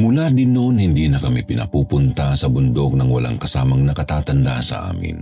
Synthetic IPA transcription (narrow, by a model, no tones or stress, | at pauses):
mʊlad̪ɪnːonhɪnd̪iːnɐkɐmipɪnɐ̰puːpʊnt̪ɐsɐbʊnd̪ok̚nɐŋwɐ̰la̰ŋkɐsaːmɐŋnɐkɐt̪aːt̪ɐnd̪asɐ̰ʔa̰ːmɪ̰n